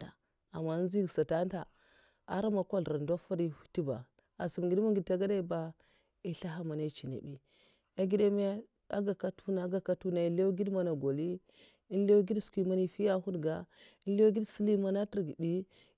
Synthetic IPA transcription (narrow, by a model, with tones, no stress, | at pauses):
a˨ | a̰˨mːa˨˦n˦zi˦ɡsa˨ta˦n˦ta˨ | a˦ɾa˦ma˨kʷa˦lɾa˨ndo˦fa˦ɾi˦u̥˦ti˦ba̰˨ | a˨si˨m˨ɡi˨˦dmu˦ŋɡi˨d̚ta˦ɡa˦da˦i˨˦ba˦ | i˦ɬa˦ɦa˦ma˨na˦t͡ʃi˨na̰˨bi˦ | a˦ɡi˦da˦me˦ | a̰˦ɡa˨ka˦tu˦na˨˦ɡa˨ka˦tu˦na˨i˨˦le˦ɡi˦dma˦na˨ɡo˨li˦ | i˦nle˦ɡi˦dskʷi˨ma˦ni˦fi˦ja˦hu˦dɡa˨i˦n˦le˦wɡi˦dsi˦li˦ma˦na˦ti˦ɾɡi˨bi˦